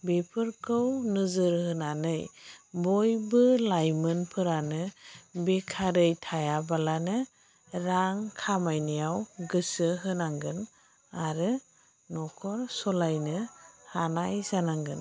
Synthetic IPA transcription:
bepʰɯɾkʰɯwnɯzɯɾhɯnanɯjbɔjbɯlajmɯnpʰɯɾanɯbekʰaɾɯjtʰajabalanɯ | ɾaŋkʰamajnijawɡɯsɯɦɯnaŋɡɯn | aɾɯ | nɔkʰɔɾsɔlajnɯhanajzanaŋɡɯn

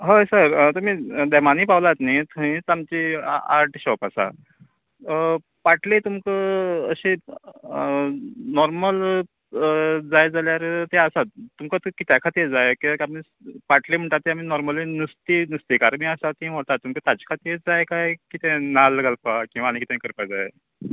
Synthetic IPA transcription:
ɦojsəɾt̪umiːd̪ɛmaniːpaʋlat̪nait̪ʰuɦĩt͡samt͡ɕia̰ɾʈɕɔpasa̰ | paʈlet̪umkəəɕe | nɔɾməl | d͡zajd͡zaljaɾt̪easat̪t̪ːumkət̪kit̪jakʰat̪id͡zajekiakaɾmispaʈʰlim̤əɳʈ̪at̪ːeamiːnɔɾməlinust̪inust̪ikaɾmiasat̪ĩm̤oɽt̪at̪ːumkət̪at͡ɕkʰat̪id͡zajekajkit̪ẽnalːəɡalpakĩw̃ʋaɽ̃ikit̪ãeĩkəɾpad͡zaj̰

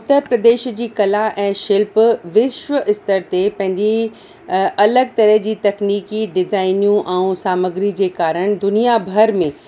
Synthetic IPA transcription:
ʊt̪ːəɾpɾɐd̪eːʃd͡ʑiːkɐlaʔɛ̃ːʃɪlpʋɪʃʋəʔɪst̪əɾt̪epɐ̃ɦɪ̃ɲd͡ʑe | ɐləɡ̚t̪ɐɾəɦd͡ʑiːt̪ɐkniːkiɖɪzaːɪnijũʔɛ̃ũsaːməɡɾid͡ʑeːkaːɾəɽ̃d̪ʊnijabʱɐɾmẽ

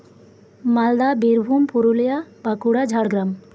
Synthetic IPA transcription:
mald̪abiɾbʱumpuɾulijabakuɽad͡ʒʱaɽɡɾam

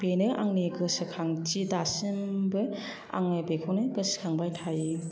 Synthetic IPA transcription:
benɯʔa̰ŋniɡɯsɯkʰaŋt͡ʃidasɯmbɯ | a̰ŋnɯbekʰonɯɡɯsɯ̥kʰaŋbajtʰaj

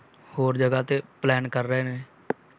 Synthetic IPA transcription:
hoːɾd͡ʒəɡaːt̪eːplɛːnkəɾːəeːneː

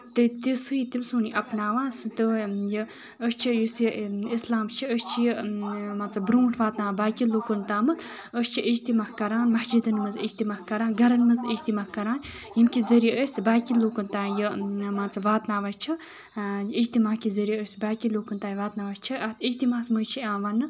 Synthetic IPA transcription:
t̪ɨt̪isuit̪imsuːniʔɐpnaːʋaːst̪ɨjə | əst͡ʃʰijusiislaːmt͡ʃʰiəst͡ʃʰijəmɐt̪t͡sɐbbɾuːʈʰʋaːt̪naːbaːkiluːkunt̪aːmɨt̪ | əst͡ʃʰiʔid͡ʒt̪imaːkɐɾaːnmɐhd͡ʒid̪ɨnmɨzid͡ʒt̪imaːkɐɾaːnɡʱɐɾɐnmɨzid͡ʒt̪imaːkɐɾaːn | jimkizɐɾijiəsʲbaːkiluːkɨnt̪aːjɨmat͡sɐbʋaːt̪naːʋast͡ʃʰi | id͡ʒt̪imaːkizɐɾijiəsbaːkiloːkunt̪aːjʋaːt̪naːʋast͡ʃʰiɐt̪ʰid͡ʒt̪imaːsməjt͡ʃʰiãːʋanːɨ

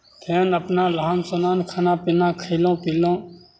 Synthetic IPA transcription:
t̪ʰeːnəpnaːlaːmsonaːnkʰaːnapɪnaːkʰəɪlõːpiːlõː

